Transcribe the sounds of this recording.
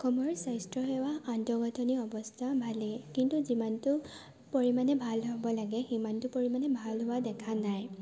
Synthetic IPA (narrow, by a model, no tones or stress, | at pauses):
kɔmɔɹsajstɹɔɦɛwaantɔɡɔtʰɔniɔbɔstʰabʱalɛkintuzimantʊ | poɹimanɛbʱalɦɔbɔlaɡɛximantʊpoɹimanɛbʱalɦʊwadɛkʰanaj